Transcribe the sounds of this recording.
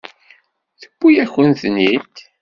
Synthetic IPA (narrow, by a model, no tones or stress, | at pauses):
θə̥b̥ːujæçənθnit̪